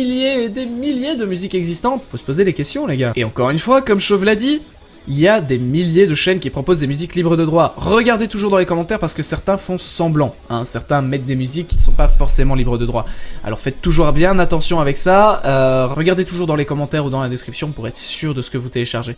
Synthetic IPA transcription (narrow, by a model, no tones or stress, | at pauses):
iljed̪emiljed̪əmyzikɛɡzist̪ɑ̃t̪fosə̥pozed̪ekʲɛst̪jɔ̃leɡaeɑ̃kɔʁynfwakɔmʃovlad̪i | iljad̪emiljed̪əʃɛnkʲipχɔpozd̪emyziklibʁəd̪əd̪ʁwaʁəɡaʁd̪et̪uʒuʁd̪ɑ̃lekɔmɑ̃t̪ɛʁpaʁsə̥kəsɛʁt̪ɛ̃fɔ̃sɑ̃blɑ̃ | ɛ̃sɛʁt̪ɛ̃mɛt̪̚d̪emyzikʲːinəsɔ̃pafɔʁsemɑ̃libʁəd̪əd̪ʁwaa̰lɔ̰ʁfɛt̪ːuʒuʁbjɛ̃nat̪ɑ̃sjɔ̃avɛksaøʁəɡaʁd̪et̪uʒuʁd̪ɑ̃lekɔmɑ̃t̪ɛʁud̪ɑ̃lad̪eskχipsjɔ̃puʁɛt̪χəsyʁd̪əsə̥kəvut̪eleʃaʁʒe